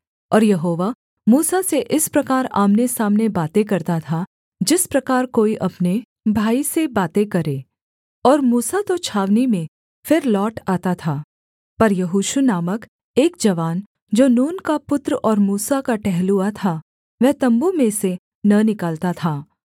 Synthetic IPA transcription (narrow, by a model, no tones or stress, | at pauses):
ɔːɾjɐɦoːʋa | muːsaseʔɪspɾɐkaːɾa̰ːmnesaːmnebaːt̪ek̬ɐɾt̪at̪ʰa | d͡ʒɪspɾɐkaːɾkoːiʔɐpne | bʱaːisebaːt̪ekɐɾeː | ɔːɾmuːsat̪ot͡ʃʰaːʋnimẽ | fɪɾlɔːʈaːt̪at̪ʰaː | pɐɾjɐɦuːʃunaːmək | eːk̚d͡ʒɐʋaːn | d͡ʒoːnuːnkapʊt̪ɾɔːɾmuːsakaʈɛɦluat̪ʰa | ʋɛɦt̪ɐ̃mbumẽse | nɐnɪkaːlt̪at̪ʰaː